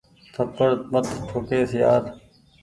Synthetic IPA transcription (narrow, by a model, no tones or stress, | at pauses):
t̪ʰəpːəɾmət̪ʰʈʰoːkeːsɪjaːɾ